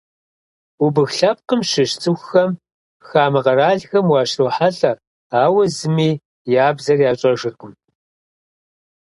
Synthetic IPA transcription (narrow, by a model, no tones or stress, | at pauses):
ubɨxɬɐp̚qəmʃɪʃt͡sʰʼɨxxɐm | xaːmɐʁɐɾaːɮxɐmwɑːɕroːħaɬʼɐ | aːwɐzɨmiː | jaːbzɐrjaːɕʼɐʒɨrqʼʊm